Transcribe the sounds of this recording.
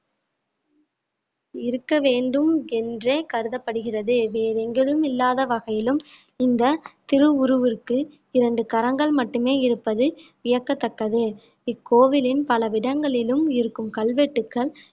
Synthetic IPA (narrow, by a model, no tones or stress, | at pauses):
ɪɾɯkːɐʋeːɳɖɯmɛndreːkɐɾɯðɐpːɐɽɯɣɪrɐðɯʋeːɾɛŋɡɛɭɯmɪlːaːðɐʋɐɣɐjɪlɯm | ɪnd̪ɐt̪ɪɾɯʊɾɯʋɯrkɯ | ɪɾɐɳɖɯkɐɾɐŋɡɐɭmɐʈːɯmeːɪɾɯpːɐðɯʋɪjɐkːɐt̪ːɐkːɐðɯ | ɪkːoːʋɪlɪnpɐlɐʋɪɽɐŋɡɐɭɪlɯmɪɾɯkːɯmkɐɭʋeʈːɯkːɐɭ